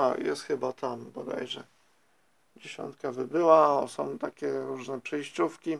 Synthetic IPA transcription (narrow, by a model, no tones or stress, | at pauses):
ajɛ̰st̪xɘbat̪ʰambɔd̪a̰jʐɛ | d͡ʑeɕɔ̰nt̪̚kavɘbɘwasɔ̃w̃t̪akʲɛɾuʐnɛpʂɛjɕt͡ɕufkʲi